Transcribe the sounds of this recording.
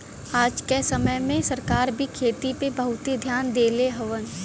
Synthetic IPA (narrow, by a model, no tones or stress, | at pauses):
aːd͡ʒkesəməjmẽsɐɾkaːɾbʱikʰeːt̪ipebəɦʊt̪id̪ʱjaːnd̪eːleɦɐʋən